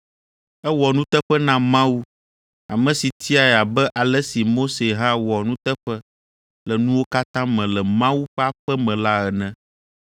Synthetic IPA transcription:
ɛ˦wɔ˨nũ˦t̪ɛ˦ɸɛ˦nã˦mã˦wu˦ | a˨mɛ̃˨si˨t̪ʰi˦a˨ɛ˨a˨bɛ˦ʔa˨lɛ˦si˨mo˦se˨ɦã˦wɔ˨nũ˦t̪ɛ˦ɸɛ˦ | lɛ˨nũ˦wo˦ka˦t̪ã˦mɛ̃˨lɛ˨mã˦wu˦ɸɛ˦a˦ɸɛ˦mɛ̃˨la˦ɛ˨nɛ̃˦

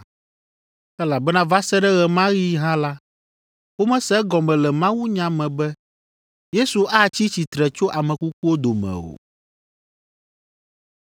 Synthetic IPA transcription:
ɛ˦la˨bɛ˦nã˦va˦sɛ˦ɖɛ˦ɣɛ˨mã˦ɣi˦ɦã˦la˦ | wo˦mɛ̃˦sɛ˦ɡɔ˨mɛ̃˨lɛ˨mã˦wu˦ɲã˨mɛ̃˨bɛ˦ | je˦su˨ʔa˦t͡ɕi˦t͡ɕi˨t̪ɾɛ˨t͡ʃo˦ʔa˨mɛ̃˨ku˦k̚u˦o˦d̪o˨mɛ̰̃˨o̰˨

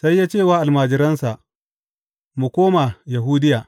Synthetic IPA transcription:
sa˦jːaː˦t͡ʃeː˦˨waː˦ʔa˨lmaː˨d͡ʒɪ˨ɾɐ˦nsa˨ʔ | mu˨kʷoː˦ma˨ja˨ɦuː˦dɪ˦jaː˨

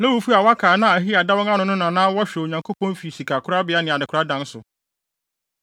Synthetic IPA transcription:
nã˦wu˨˦fu˦a˨wa˦kʰaː˨nã˦˨æ˨ɦi˦a˨da˦wɔ̃˦ŋã˦nʊ̃˨nʊ̃˦nã˨nãː˦wɔ˦ɕᶣo˨ɲã˨ŋkʰo˦pʰɔ̃˦nfi˨si˨kʰa˨kʰʊ˦ɾa˦bɪ˨˦a˦nɪ̃˨a˨dɪ˨kʰɾa˦dã˦n˦sʊ̰˨

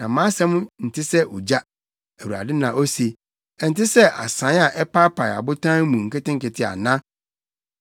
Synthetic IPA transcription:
nã˨mã˦sɛ̃˦m̃˦n̩˨tʰɪ˦sɛ˦ʔo˨d͡ʑa˦ | æ˨wu˨a̰˨dɪ˦nã˨ʔo˦se˨ | ɛ˨n̩˨tɪ˦sɛ˦ʔa̰˨sã˨˦a˨ʔɛ˦pa˦pʰa˨ja̰˨bʊ˦tʰã˦mũ˨ŋ̩˨kɛ˦tɪ̃˦ŋ̩˦kɪ˨tʰɪ˦a̰˨nã˦

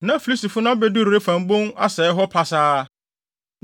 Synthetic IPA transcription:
nã˨˦fi˨li˦sti˨fʊ˦nã˦be˦du˦ɾɾe˦fã˨m˦bõ˦na˦sɛː˨˦ɦɔ˦pʰa˨saː˦

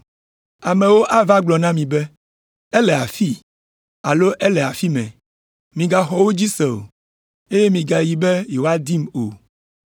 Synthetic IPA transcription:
a˨mẽ˨wo˦ʔa˦va˦ɡ͡blɔ˨nã˦mĩ˨bɛ˦ | ɛ˦lɛ˨a˨fi˦ | a˨lo˦ʔɛ˦lɛ˨a˨fi˦mɛ̰̃˨ | mĩ˨ɡa˨xɔ˨wo˦d͡ʑi˦sɛ˨o̰˨ | e˦je˦mĩ˨ɡa˨ji˨bɛ˦je˨wo˦a˦d̪i˦mo̰˨

